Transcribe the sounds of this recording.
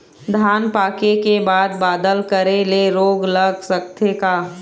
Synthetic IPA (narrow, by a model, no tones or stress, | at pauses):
d̪ʱaːnpaːkekebaːd̪̚baːd̪əlkəɾeleɾoːɡlɐɡsɐk̚t̪ʰekaː